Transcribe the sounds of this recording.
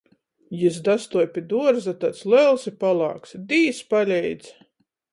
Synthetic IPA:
jizd̪ast̪uɔjpʲid̪uɔɾzat̪at̪slɛlˠsipalˠɑ̰ːksd̪ʲiːspalʲɛjd̪z

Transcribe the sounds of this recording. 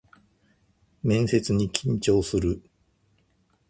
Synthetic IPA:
mẽ̞ɰ̃se̞t͡sɨɲ̟ikʲĩɲt͡ɕo̞ːsɨɾɯ

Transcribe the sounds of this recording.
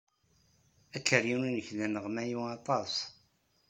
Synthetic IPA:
ækːərjinunəçðænəʁmæjuɑt̪ˤɑs

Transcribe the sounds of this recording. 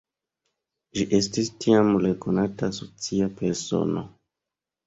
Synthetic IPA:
ʒiʔe̞stistʰiamlekonatasot͡siape̞ɾso̞̰no̰

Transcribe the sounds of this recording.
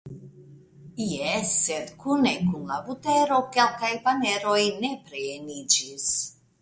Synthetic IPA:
jɛsːed̪kʰunekunlabut̪eɾokelkajpaneɾojnepɾeenid͡ʒis

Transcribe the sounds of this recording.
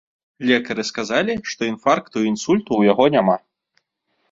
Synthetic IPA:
lʲɛkɐɾɨskazalʲiʂt̪ɔinfarkt̪uinsulʲt̪uwjaɣɔnʲama

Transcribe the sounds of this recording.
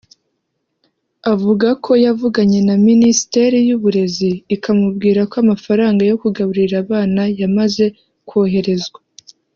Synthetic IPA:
avuɡakʰo̞javuɡaɲe̞naministe̞ɾijuβuɾe̞ziːkʰamubɡiːɾakoamafaɾaːŋɡajo̞kuɡaβuɾiɾaβaːnajamaze̞ | kwo̞ːɦe̞ɾe̞zɡwa

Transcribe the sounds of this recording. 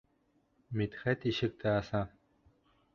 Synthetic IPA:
mit̪χɛt̪iʃɘ̆k̚t̪ʰɛːsa

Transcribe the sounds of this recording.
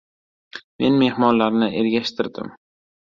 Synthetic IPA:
me̞nme̞hmɒnlaɾnɪʔe̞ɾɡʲaʃt̪ʰɪɾd̪ɪ̰m

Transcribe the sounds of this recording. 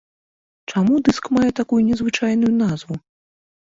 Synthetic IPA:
t͡ʂamud̪ɨskmajɛt̪akujunʲɛzvɨt͡ʂajnujun̪azvu

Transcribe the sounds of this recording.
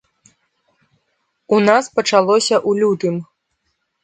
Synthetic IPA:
unaspɐt͡ʂalˠɔsʲɐʔulʲut̪ɨm

